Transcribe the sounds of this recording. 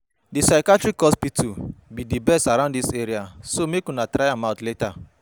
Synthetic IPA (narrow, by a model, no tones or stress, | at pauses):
disaɪkatɹikːɔspitʰubidibɛstaɾãʊ̃ndiseɾiasomekũnatɹaɪamãʊ̃tleta